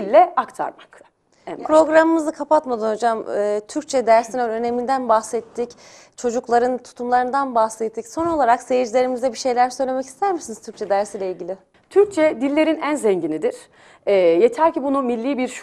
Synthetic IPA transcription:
ilʲːɛakt̪ʰa̰ɾmak | ɛpʰɾo̞ɡɾamɯmɯzɯkʰapat̪mad̪ɯnho̞d͡ʒamɯːt̪ʰyɾc̚t͡ʃʰɛd̪æɾsinønø̞ne̞mind̪ænbaxsɛt̪ʰːic | t͡ʃʰo̞d͡ʒuklˠaɾɯnt̪ʰu̥t̪ʰumlˠaɾɯnd̪anbaxsɛt̪ʰːicso̞no̞lˠaɾaksejd͡ʒilʲe̞ɾimizd̪ɛbiʃe̞jlʲæɾsø̞jlʲe̞mɛci̥st̪ʰæɾmiʃsiniz̥t̪ʰyɾc̚t͡ʃʰɛd̪æɾsiːlʲeilʲɟilʲɪ | t̪ʰyɾc̚t͡ʃʰɛd̪ilʲːe̞ɾinænzɛɲɟinid̪iɾ̥ | ɛːjet̪ʰæɾcibunumilʲːiːbiɾʃ

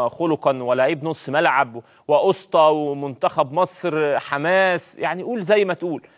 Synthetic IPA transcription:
xoloqɑnwælːæʔebnosˤmælʕab | wɪʔosˤt̪ˤɑwmʊnt̪æxæbmɑsˤɾħamæːsjaʕniʔuːlzæjːmæt̪ʔuːl

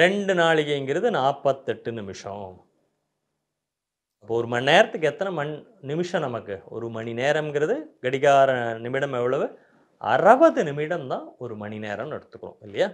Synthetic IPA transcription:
ɾɛɳɖɯnaːɭɪɣɐŋɡɪɾɐðɯnaːpːɐt̪ːɛʈːɯnɪmɪʂɐ̰̃m | ɐpːoːɔɾɯmɐnːeːɾɐt̪ːɯkːɯɛt̪ːɐnɐmɐn | nɪmɪʂɐ̃nɐmɐkːɯɔ̰ɾɯmɐnineːɾɐmŋɡɪɾɐðɯɡɛɽɪɣaːɾɐnɪmɪɽɐmɛʋːɐɭɐʋɯ | ɐ̰ɾɐbɐðɯnɪmɪɽɐmt̪ãːɔɾɯmɐnineːɾɐmnɐɽɐt̪ːɯkːɐɽʊ̰̃ɪlːɐjaː

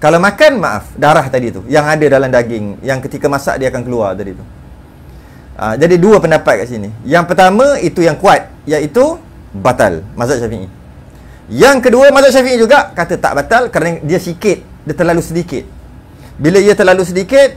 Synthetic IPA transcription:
kalamakanmaʔa̰fdaɾaht̪adit̪ṵjaŋadadalamdaɡɪŋjaŋkət̪ikəmãsa̰ʔdiakankəlua̰rt̪adit̪u | ʔə̰d͡ʒadiduəpəndapat̪̚kaʔsinijaŋpərt̪amə̃it̪ujaŋkuat̪̚jait̪u | bat̪a̰lmazat̪̚ʃafiʔḭ | jaŋkəduəmazat̪̚ʃ̬afiʔĩd͡ʒuɡaʔkat̪ət̪a̰ʔbat̪alkəɾanədiəsikɪt̪̚ | t̪ərlalusədikɪt̪̚ | biləiət̪ərlalus̬ədikɪt̪̚

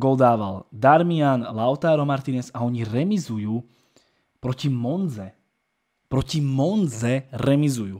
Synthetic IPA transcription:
ɡɔld̪aːʋa̰ld̪aɾmianlaʊt̪aːɾɔmaɾt̪iːnɛsaɔɲiɾɛmizujuː | pɾɔcimɔnd͡zɛ | pɾɔcimɔnd͡zɛɾɛmizujuː

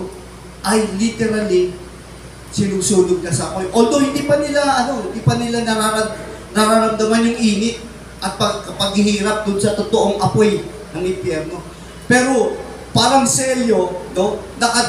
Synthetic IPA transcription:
ʔɐjlit̪ɛɾalɪŋ | sɪnuːsuːnoɡ̪̚nɐsɐɐpojʔod̪ohɪ̃nd̪iːpɐnɪlaʔɐno̞hɪnd̪ipɐnɪlanɐɾaɾɐ | nɐɾaɾɐmd̪ɐmanjʊŋʔiːnɪt̪̚ | ʔɐt̪̚pɐɡɐpɐɡ̚hɪɦiːɾɐp̚d̪ʊnsɐt̪ot̪oʔoŋʔɐpo̞j | nɐŋɪmpjɛɾno̞ | pɛːɾo̞ | paːɾɐŋsɛljo̞no̞nɐkɐ

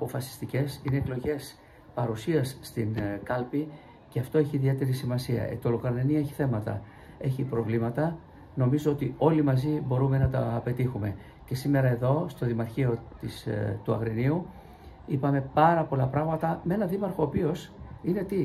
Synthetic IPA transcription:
ɐpo̞fɐsi̥st̪ice̞sine̞ːklo̞ʝe̞s | pɐɾusiɐsːt̪inkɐlpi | ceɐft̪o̞e̞çiːðie̞t̪e̞ɾisimɐsiɐ̰et̪o̞lokɾɐnenie̞çi̥θe̞mɐt̪ɐ̰ | e̞çipɾo̞vlimɐt̪ɐ | no̞mizo̞ot̪io̞limɐzibo̞ɾume̞nɐt̪ɐpe̞t̪ixume̞ | ce̞sime̞ɾɐe̞ðo̞st̪o̞ðimɐɾçio̞t̪ist̪uɐ̰ɣɾiniu | ipɐme̞pɐɾɐpo̞lɐpɾɐɣmɐt̪ɐmee̞nɐðimɐɾxo̞ːpio̞sine̞t̪i

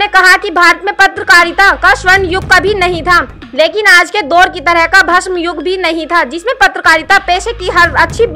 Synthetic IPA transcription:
nekɐɦakibʱaːɾət̪mẽpɐt̪ɾəkaːɾjɪt̪akaʃwəɾnjʊɡ̚kabʱinɐɦĩt̪ʰa | leːkɪnaːd͡ʒked̪oːɾkit̪ɐɾəɦkabʱɐʃmjʊɡʱbʱinɐɦĩt̪ʰad͡ʒɪsmẽpɐt̪ɾəkaːɾjɪt̪apeːʃekiɦɐɾɐtːʃʰi

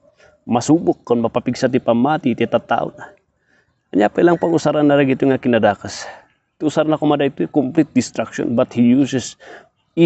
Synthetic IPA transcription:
mɐsubʊkːonmɐpapiɡsat̪̬ipamat̪it̪ɛt̪at̪a̰ʔʊ̰n | ʔaɲapailaŋpaŋusaɾanːaɾaɡit̪oŋakɪnad̪aːkas | t̪iusaɾnakomad̪ait̪okomplit̪̚d̪ɪst̪ɾakʃo̰nbat̪hijusɛs | i

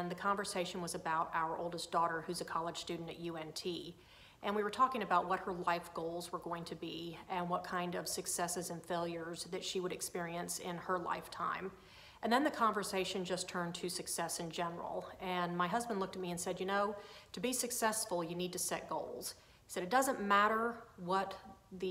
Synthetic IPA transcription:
nðɨkʰɑ̃ɱvə˞seɪʃɨ̃n̩wʌzɨbaʊɾaʊə˞ʔo̰ʊlˠdəsd̥ɔɾə˞hʉzɨkʰɑlˠəd̥ʒ̥stʉdⁿn̩tɨ̰ʔ̚jʉɛ̃ntʰi | ʔɨ̃nwiwə˞tʰɔkɪ̃ŋɨbaʊt̚wʌt̚hə˞laɪfɡ̥oʊlˠzwə˞ɡoʊɪ̃ŋtʰɨbiɨ̃nwʌt̚kʰãɪ̃ndʌv̥sɨksɛsɨzɨ̃nfeɪlˠjə˞zðɨtʃiwəɾɨkspɪɹiɨ̃nsɪ̰̃nə˞la̰ɪftʰã̰ɪ̃m | ʔɨ̃nðɨ̃nðɨkʰɑ̃ɱvə˞seɪʃɨ̃nd͡ʒʌstʰɜ̃˞ntʰɨsɨksɛsɨ̃nd͡ʒɛnə̰˞l̩ˠɨ̃nmaɪɦʌzbə̃ndˡlʊk̚tɨt̚miɨ̃nsɛdjɨnoʊtʰɨbisɨksɛsfl̩ˠjɨnid̚tɨsɛt̚ɡ̥oʊlˠz̥ | hi̥sɛɾɨt̚d̥ʌzə̃nmæɾə˞wʌt̪̚ðɨ

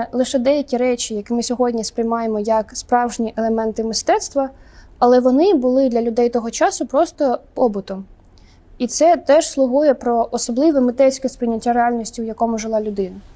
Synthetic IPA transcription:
lˠɪʃɛd̪ɛjɐkʲiɾɛt͡ʃʲijɐkɪmɪsʲɔɦɔdʲnʲispɾɪjmɑjemɔjɐkspɾɑwʒnʲiʔelˠemɛnt̪ɪmɪst̪ɛt̪st̪ʋɐɐlˠɛʋɔnɪbʊlˠɪd̪lʲɐlʲʊd̪ɛjt̪ɔɦɔt͡ʃɑsʊpɾɔst̪ɔpɔbʊt̪ʊ | it̪sɛt̪ɛʃslˠʊɦujɛpɾɔʔɔsɔblˠɪʋɛmɪt̪ɛsʲkɛspɾɪjnʲɐtʲːaɾeɑlʲnʲisʲtʲiwjɐkɔmʊʒɪlˠɑlʲʊd̪ɪnɐ

